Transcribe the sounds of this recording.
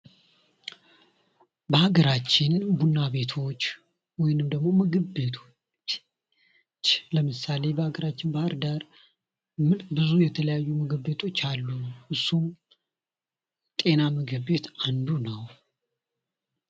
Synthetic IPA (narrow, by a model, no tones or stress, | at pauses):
bəaɡəɾat͡ʃːɪnbunːaβe̞t̪ʰo̞t͡ʃː | wɔjɪnɨmd̪əɡmo̞məɡəbet̪ʰo̞ | t͡ʃː | t͡ʃːləmɨsale̞bəhaɡəɾat͡ʃːɪnbəhəɾd̪aɾ | mɨlbɨzujɛt̪ʰələjajːuməɡəbe̞t̪ʰo̞t͡ʃːalːuʔɨsum | t̪ʼe̞naməɡɨβe̞t̪and̪unəw